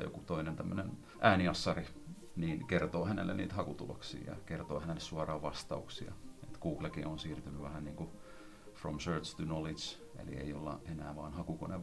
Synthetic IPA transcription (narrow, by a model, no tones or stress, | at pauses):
jo̰kut̪oinent̪æmːønen | ʔæːniɑsːɑri | niːnkert̪oːhænḛlːḛniːt̪hɑkut̪ulo̰ksḭːjɑ̰kert̪o̰ːhænelːessuɑrɑːʋʋɑst̪ɑuksiɑ̰et̪kuːklɑkḭonsiːrt̪ynyʋæhænniːŋku | fromsørt͡ʃt̪unolis | ḛlḭḛio̰lːɑ̰ʔenæːʋɑːnhɑkukoneʋ